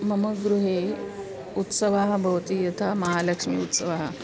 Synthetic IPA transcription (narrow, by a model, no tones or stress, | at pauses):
mɐməɡɾuɦe | ut̪səʋaɦɐbʱəʋt̪iːjɐt̪ʰamɐɦalɐkʂmḭut̪səʋaɦə